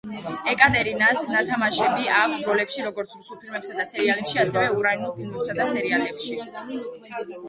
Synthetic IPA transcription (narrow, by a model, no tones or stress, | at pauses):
ɛkʼat̪ʼɛɾinasnat̪ʰamaʃɛbiakʰsɾɔlɛpʃiɾɔɡɔɾt̪sʰɾusulˠpʰilmɛpsad̪atsʰɛɾialɛpʃiasɛvɛuɾainulˠpʰilmɛpsad̪asɛɾialɛpʃi